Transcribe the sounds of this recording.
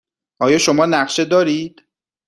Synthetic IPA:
ʔɒːjɒːʃomɒːnæɢʃe̞d̪ɒːɾiːd̪̥

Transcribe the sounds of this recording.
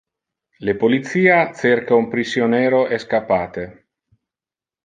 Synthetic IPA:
lepolit̪siːat̪seɾkaumpɾisjonɛːɾoʔeskapːaːt̪e

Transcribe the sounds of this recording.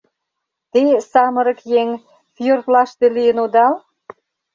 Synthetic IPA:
t̪esɑmə̆ɾə̆kjeŋ | fjørt̪lɑʃt̪elijənod̪ɑl

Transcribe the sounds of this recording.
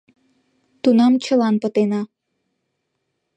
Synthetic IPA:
t̪unɑmt͡ɕə̆lɑnpət̪enɑ

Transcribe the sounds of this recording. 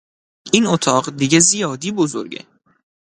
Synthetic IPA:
ʔinot̪ʰɒːɢd̪iɟezijɒːd̪iːbozo̰ɾɡḛ

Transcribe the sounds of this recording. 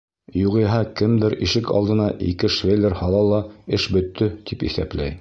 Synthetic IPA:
juʁɤ̆jɦɑkɘmd̪ɘɾiʃɘkɑ̰lˠd̪ɤ̆nɑʔḭkɘʃvʲelʲɘɾhɑlˠɑlˠɑɘʃbɵ̆t̪ʰːɵt̪ipḭθæ̰plæj

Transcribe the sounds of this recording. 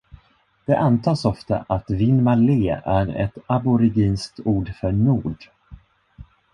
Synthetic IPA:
d̪̥ɛʔant̪ʰɑːsɔft̪a̰ʔat̪vɪnmaleːæɾɛ̰t̪abʊɾɪɡiːnskt̪uːɖfœɳuːɖ

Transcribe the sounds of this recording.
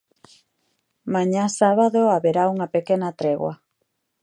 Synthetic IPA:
maɲasaβaðoaβeɾauŋɐpekenat̪ɾeɣwa̰

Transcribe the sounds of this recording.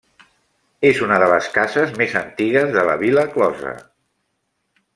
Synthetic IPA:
ezunəðələskazəzmezənt̪iɣəzðələ̰βiləklɔzə̰

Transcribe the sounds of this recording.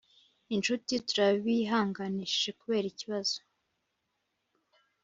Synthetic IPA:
int͡ʃutituɾaβiɦaːŋɡani̥ekuβe̞ːɾiciβazo̥

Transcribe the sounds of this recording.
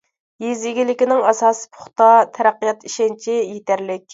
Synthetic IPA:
jiziɡʲilɪkʲinɪŋɑsɑːspʰʊ̥χt̪ɑt̪ʰɛɾæqːijɑt̪iʃɛnt͡ʃʰijet̪æɾlɪkʲ

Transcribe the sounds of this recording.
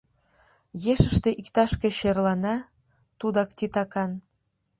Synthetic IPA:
jeʃə̆ʃt̪ĕʔikt̪ɑʃkĕɕerlɑnɑ | t̪ud̪ɑkt̪it̪ɑkɑn

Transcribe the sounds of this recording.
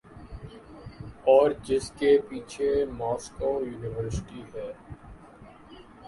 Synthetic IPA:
ɔːɾd͡ʒɪskepiːt͡ʃʰemɔːskoːjuːnɪʋəɾsɪʈiɦɛː

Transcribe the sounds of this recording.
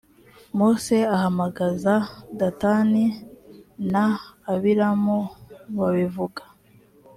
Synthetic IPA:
moseahamaɡazadatani | naːβiɾamoβaβivuɡḁ

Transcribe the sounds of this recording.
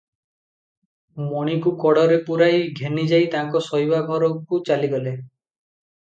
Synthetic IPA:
mɔɽ̃ikukɔɽɔɾepuɾajɡʱenid͡ʒajt̪aŋkɔsɔɦjbaɡʱɔɾɔkut͡ʃaliɡɔle

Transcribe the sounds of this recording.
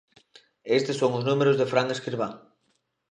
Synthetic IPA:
est̪ɪsoŋʊznumeɾʊzðefɾaŋeskɾiɾβaŋ

